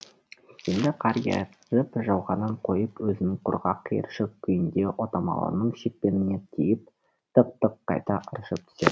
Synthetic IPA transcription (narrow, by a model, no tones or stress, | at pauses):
e̞nd̪ɪqʰɑɾjɑ̰jt | zəpʒɑwʁɑnəɴqʰo̞jəpwɵzɪnɪŋqʰʊ̰ɾʁɑqʰːijə̰ɾʃɪkkʲʰːʏjɪnd̪e̞ʔot̪ɑmɑ̰lˠə̰nəɴʃek̪̚pe̞nɪne̞t̪ʲʰijɪp̚ | t̪əq̚t̪əqʰːɑ̰jt̪ɑʔəɾʃəp̚t̪ʰʏ̥se